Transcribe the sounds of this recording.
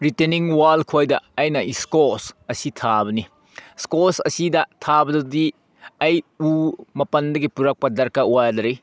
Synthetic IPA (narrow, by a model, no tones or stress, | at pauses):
ɾiteniŋwalkʰojdɐːjnɐʔiskosɐsitʰabɐni | skosɐ̰sidɐtʰabɐdɐdi | ɐjumɐpɐndɐɡipuɾɐk̚pɐdɐɾkauajadɐɾi